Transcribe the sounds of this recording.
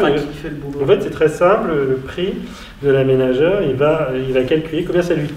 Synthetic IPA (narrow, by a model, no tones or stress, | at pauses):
ãɡkifɛb̃ɑ̃fɛt̪sɛt̪χɛsɛ̃plələpχi | d̪əlamenaʒœːʁilvaøilvakalkʲylekɔ̃bjɛ̃salɥi